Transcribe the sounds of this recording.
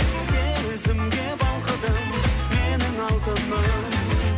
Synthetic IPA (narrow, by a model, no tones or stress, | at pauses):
se | ɪzɪmɡʲebɑlˠqəd̪ə | menɪŋɑlˠt̪ənə